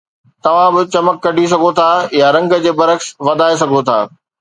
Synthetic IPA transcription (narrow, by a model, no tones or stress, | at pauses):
t̪ɐʋ̤ãbɪt͡ɕɐməkːɐɖʱis̬ɐɡʱot̪ʰajaɾɐ̃ŋɡə̆d͡ʑeːbɐɾəksʋɐd̪ʱaːes̬ɐɡʱot̪ʰa̰ː